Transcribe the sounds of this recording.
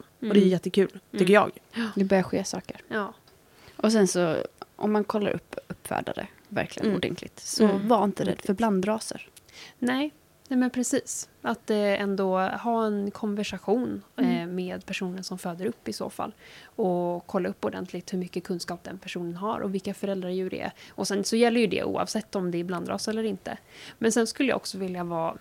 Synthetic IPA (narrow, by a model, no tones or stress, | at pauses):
ɔd̪ɛjjɛt̪ːəkʰʉ̟ːlt̪ʰʏkːəjɑ̰ːɡd̪ɛbœɾjaɧeːsɑːkəɾjɑː | ʔɔsɛnsɔʔɔ̰mːankʰɔlːa̰ɾʔɵ̰pːɵpːfæ̰ːɖa̰ɾə̰ | væ̰ɾklɪɡə̰nuːd̪ɛ̰nk̪lɪɡ̚t̪sɔvaɾɪnt̪əd̪ɛɛfœɾbland̪ɾɑːsə̰ɾnɛː | nɛmɛnpʰɾɛsiːsat̪ɛnd̪ɔhɑːɛnkʰɔnvæʂaɧuːnmeːd̪pʰæʂuːnəɳsɔmføːd̪əɾɵpːɪso̰ːfa̰lːɔkʰɔlːaɵpːɔd̪ɛ̰nt̪lɪɡ̚t̪hɵɾmʏkːəkʰɵnskɑːp̚d̪ɛnpʰæʂuːnənɦaɾʔɔ̰vɪlkːafœɾɛld̪ɾaɾjʉɾɛ̰ɛ̰ʔɔsɛnsɔjɛlːəɾjɵd̪ɛ̰ʔṵːɑ̰vsɛt̪ːɔmd̪ɛːbland̪ɾɑ̰ːsɛlːəɾɪnt̪ə̰mɛnsɛnskɵləj̰ɔksɔvɪljavɑː